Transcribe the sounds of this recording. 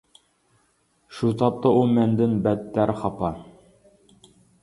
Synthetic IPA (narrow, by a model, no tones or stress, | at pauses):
ʃut̪ɑp̚t̪ɤumænd̪ɘnbæt̪ːæɾχɑpɑ